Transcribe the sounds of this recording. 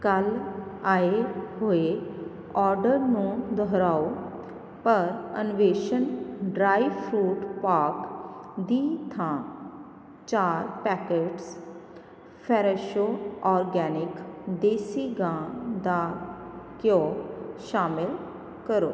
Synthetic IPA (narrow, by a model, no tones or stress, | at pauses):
kəlaːeɦoːe | ɔːɾɖəɾnũːd̪ɔːɾaːo | pəɾə̰nʊʋeːʃənɖɾaːipʰɾuːʈpaːɾkd̪iːt̪ʰãː | t͡ʃaːɾpɛːkeːʈs | pʰɛːɾeʃoːɔːɾɡɛːnɪkd̪eːsiːɡãːd̪aːkjõːʃaːmɪl | kəɾo̰ː